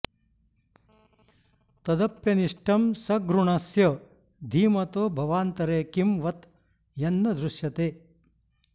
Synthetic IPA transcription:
t̪ɐd̪ɐpjɐniʂʈɐmsɐɡɾuɳɐsjɐ | d̪ʱiːmɐt̪oːbʱɐʋaːnt̪ɐɾeːkimʋɐt̪ | jɐnːɐd̪ɾuʂjɐt̪eː

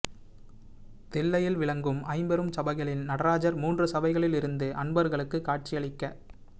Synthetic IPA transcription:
t̪ɛlːɐjɪlʋɪɭɐŋɡɯmɐɪmbɛɾɯmsɐbɐɪɣɐɭɪnnɐɽɐɾaːd͡ʒɐɾmuːndrɯsɐbɐɪɣɐɭɪlɪɾɯnd̪ɯʔɐnbɐɾɣɐɭɯkːɯkːaːʈ̚t͡ʃɪjɐɭɪkːɐ

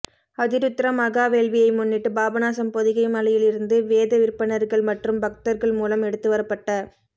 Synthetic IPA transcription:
ɐðɪɾɯt̪ːɪɾɐmɐɣaːʋeːɭʋɪjɐɪmʊnːɪʈːɯbaːbɐnaːsɐmpɔðɪɣɐɪmɐlɐjɪlɪɾɯnd̪ɯʋeːðɐʋɪɾpːɐɳɐɾɣɐɭmɐʈrɯmbɐk̚t̪ɐɾɣɐɭmuːlɐmɛɽɯt̪ːɯʋɐɾɐpːɐʈːɐ

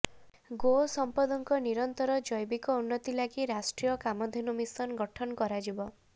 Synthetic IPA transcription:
ɡosɔmpad̪ɔŋkɔniɾɔnt̪ɔɾɔd͡ʒɔjbikɔunːɔt̪ilaɡiɾasʈɾijɔkamɔd̪ʱinumisɔnɡɔʈʰɔnɔkɔɾad͡ʒibɔ

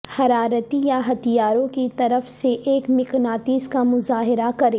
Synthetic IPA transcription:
hɐɾaːɾət̪ijaɦɐt̪ijaːɾõkit̪ɐɾəfseʔeːkmɪknaːt̪iːzkamʊzaːɦɪɾakɐɾẽː

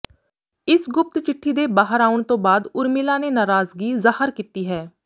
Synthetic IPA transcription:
ɪsɡʊp̚t̪t͡ʃɪʈʰːiːd̪eːbaːɦəɾaːʊɳt̪õːbaːd̪ʊɾmilaːneːnaːɾaːzɡiːzahəɾkiːt̪iːɦɛː

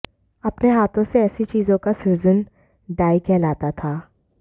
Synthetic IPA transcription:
ɐpneɦaːt̪ʰõseɛːsit͡ʃiːzõkasuːzən | ɖaːikʰɛːlaːt̪at̪ʰaː

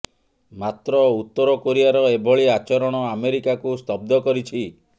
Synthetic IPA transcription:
mat̪ɾɔut̪ːɔɾɔkoɾijaɾɔebʱɔɭiat͡ʃɔɾɔɽ̃ɔameɾikakust̪ɔb̚d̪ʱɔkɔɾit͡ʃʰi

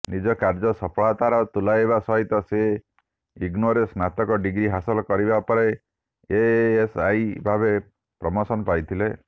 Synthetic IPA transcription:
nid͡ʒɔkaɾd͡ʒɔsɔpʰɭat̪aɾɔt̪ulaebasɔɦit̪ɔse | iɡnoɾesnat̪ɔkɔɖiɡɾiɦasɔlɔkɔɾibapɔɾe | eːsajbʱabe | pɾɔmɔsɔnɔpajt̪ʰile

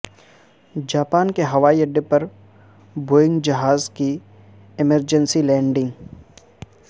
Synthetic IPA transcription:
d͡ʒaːpaːnkeɦɐʋaːiɐɖːepɐɾ | boːɪ̃ŋɡd͡ʒɐɦaːzki | ɪməɾd͡ʒənsilɛ̃ːɳɖɪ̃ŋɡ

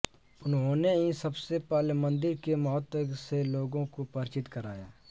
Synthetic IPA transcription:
ʊnɦõːneĩsɐbsepaːlmə̃nd̪ɪɾkemɐɦət̪seloːɡõkopəɾt͡ʃɪt̪kəɾa̰ːja̰ː

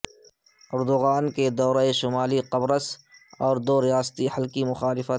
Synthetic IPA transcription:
ʊɾd̪ʊɣaːnked̪ɔːɾaeʃʊmaːliqɐbɾəsɔːɾd̪oːɾijaːst̪ihɐlkimʊxaːlɪfət̪

